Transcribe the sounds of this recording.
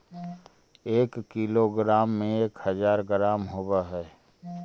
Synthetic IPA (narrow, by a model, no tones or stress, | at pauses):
eːkːiloɡɾaːmːẽeːkhəzaːɾɡɾaːmɦoːbaɦɛː